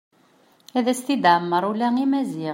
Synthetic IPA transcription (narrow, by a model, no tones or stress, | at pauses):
æðæst̪id̪ʕəmːəɾˤulæŋimæzi